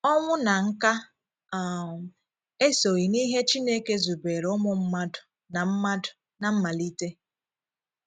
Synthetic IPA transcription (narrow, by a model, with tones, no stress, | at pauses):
ɔ˦ŋʷʊ˦na˨ŋ̩˦ka˦ | a˨ | e˦so˨ɣi˨ni˦ɦe˦t͡ʃi˦ne˦ke˦zu˨be˨ɾʊ˦mʊ˨m̩˦ma˦dʊ̥˨ | na˨m̩˦ma˦dʊ˨ | na˨m̩˦ma˨li˦te˦